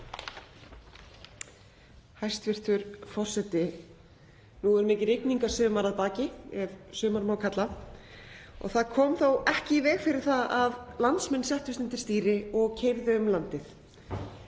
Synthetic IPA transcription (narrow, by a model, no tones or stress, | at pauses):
hajst̪vɪr̥t̪ʏɾfɔr̥sɛt̪ɪ | nuɛɾmɪːcɪɾɪjkniŋkḁsʏːmaɾaðpaːcɪɛvsʏːmaɾmaːwkʰat̪la | ɔ̰ɣθaðkʰɔːmθowɛhcɪvɛːɣfɪɾɪɾ̥θaðaðlant̪smɛnːsɛht̪ʏsɪnt̪ɪɾ̥st̪iːɾɪɔɣcʰejɾðʏʏmlant̪ɪθ